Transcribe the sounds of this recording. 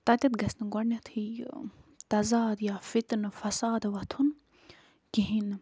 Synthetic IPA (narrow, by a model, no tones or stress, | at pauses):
t̪ɐt̪ʲɐt̪ɡɐsnɐɡɔɽnʲɐt̪ʰi | t̪ɐzaːd̪jafit̪nɨfɐsaːd̪ʋɐt̪ʰun | kiɦin